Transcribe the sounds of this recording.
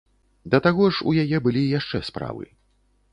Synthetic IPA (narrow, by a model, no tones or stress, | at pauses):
d̪ɐt̪aɣɔʐṵjajɛbɨlʲijaʂt͡ʂɛspɾa̰vɨ̰